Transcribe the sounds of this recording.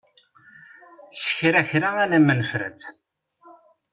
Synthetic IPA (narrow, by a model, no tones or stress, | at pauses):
sə̥çɾæçɾaænæmːənfɾæ̰t͡s̪